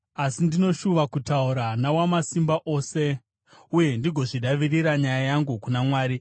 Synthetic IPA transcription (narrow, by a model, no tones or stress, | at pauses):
asindino̞ʃuʋakutauɾanawamasimbaʔo̞ːse̞ | uje̞ndiɡʱo̞ʐiɗaʋiriɾaɲajajaŋɡukunamwaːɾi